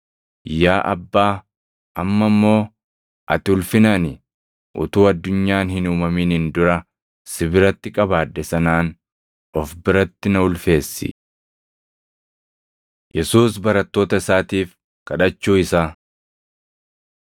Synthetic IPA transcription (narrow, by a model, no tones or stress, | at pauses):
jaːʔɐ̰bːaː | ʔɐmːɐmːo̞ː | ʔɐ̰t̪ɪʊlfɪnɐnɪ | ʔʊ̰t̪uːɐd̪ːʊɲːaːnhɪnuːmɐmiːnɪnd̪ʊɾɐ | sɪβɪɾɐt̪ːɪkʼɐbaːd̪ːɛsɐnaːn | ɔfbɪɾɐt̪ːɪnɐʊlfe̞ːsːɪ̰ | jɛsuːs̬bɐɾɐt̪ːo̞ːt̪ɐɪsaːt̪iːf | kɐᶑɐt͡ʃːuːɪsaː